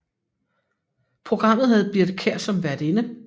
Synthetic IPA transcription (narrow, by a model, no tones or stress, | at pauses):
pʰʁoɡ̥ʁɑ̈m̰ð̩ˠɦæð̞̩ˠb̥iɐd̥əkʰeɐ̰sɒ̽mʋæɐd̥e̝nə